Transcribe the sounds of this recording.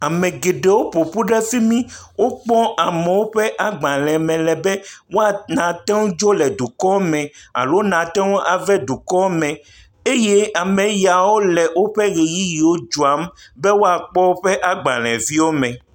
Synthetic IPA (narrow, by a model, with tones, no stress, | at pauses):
a˨mɛ̃˨ɡe˨ɖe˨wo˦po˨ɸu˦ɖɛ˦si˦mĩ˦wo˦k͡pɔ˦ʔa˨meɛ˨wo˦ɸɛ˦ʔa˨ɡ͡bã˨lɛ̃˨mɛ̃˨lɛ˨bɛ˦wo˦a˨nã˨t̪ɛ̃˦wu˦d͡ʒo˦lɛ˨ɖu˨kɔ˦mɛ̃˨a̰˨lo˦nã˨t̪ɛ˦wo˦ʔa˨vɛ˦ɖu˨kɔ˦mɛ̃˨ | e˦je˦a˨mɛ̃˨ja˨wo˦lɛ˨wo˦ɸɛ˦ɣe˨ji˦ji˨wo˦d͡ʒu˨a˨˦mbɛ˦wo˦a˨k͡pɔ˦wo˦ɸɛ˦ʔa˨ɡ͡bã̰˨l̃ɛ̰̃˨vi˦wo˦mɛ̃˨